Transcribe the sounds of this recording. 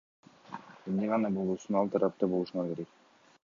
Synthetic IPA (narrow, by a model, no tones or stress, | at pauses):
emneʁɑnɑbo̞lˠuːsunɑlˠt̪ʰɑɾɑp̚t̪ɑbo̞lˠuʃunɑke̞ɾe̞k̚